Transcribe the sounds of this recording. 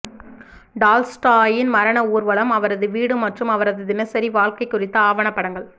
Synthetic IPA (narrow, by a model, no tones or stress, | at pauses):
ɖaːlsʈaːjɪnmɐɾɐɳɐuːɾʋɐɭɐmɐʋɐɾɐðɯʋiːɽɯmɐʈrɯmɐʋɐɾɐðɯd̪ɪnɐɪsɐɾiʋaːɭkɐɪkːʊrɪt̪ːɐaːʋɐɳɐpːɐɽɐŋɡɐɭ